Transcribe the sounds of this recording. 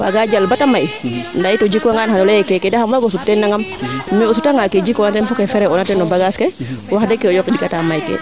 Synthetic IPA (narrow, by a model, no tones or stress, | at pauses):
wa̰ɡad͡ʒalbatamajndajitɔd͡ʒikaŋanhanɔlɛɛkɛkɛdahamwaɡos̬utːɛnːaŋammiɔsutaŋaked͡ʒikɔnatɛnfukefɛɾɛɔnatɛnɔbaɡaskɛwahadɛkːɛɔjɔkɗikatamajkɛ̰